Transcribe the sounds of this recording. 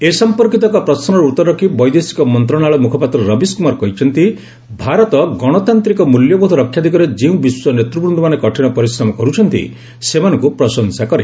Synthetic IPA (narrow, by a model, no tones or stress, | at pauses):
esɔmpɔɾkit̪ɔkɔpɾɔsɔnɔɾut̪ɔɾɔkibɔjd̪esi̥kɔmɔnt̪ɾɔɽ̃aɭɔmukʰɔpat̪ɾɔɾɔbiskumaɾkɔɦit͡ʃʰɔnt̪i | bʱaɾɔt̪ɔɡɔɽ̃ɔt̪ant̪ɾikɔmuljɔbud̪ʱɔɾɔkʰːjad̪ʱikɔɾed͡ʒeũbiswɔnet̪ɾubɾund̪ɔmanekɔʈʰiɽ̃ɔpɔɾisɾɔmɔkɔɾut͡ʃʰɔnt̪ḭ | semanɔŋkupɾɔsɔnsakɔɾe